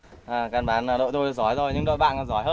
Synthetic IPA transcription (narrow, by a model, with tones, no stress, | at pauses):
ʔaː˨˩kaː˨˩nɓaː˨˦naː˨˩ɗo̰˧˨t̪ʰo˧j̚zɔ˨˦jzo˨˩jɲɨ̰˧˥ɗo̰˧˨jɓa̰ː˧˨naː˨˩zɔ˨˦jɦəː˦˧